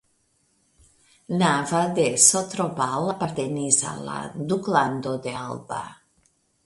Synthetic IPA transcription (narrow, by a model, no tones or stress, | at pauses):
navad̪esot̪ɾopalapaɾt̪eniza̰la̰d̪ukland̪od̪ealba̰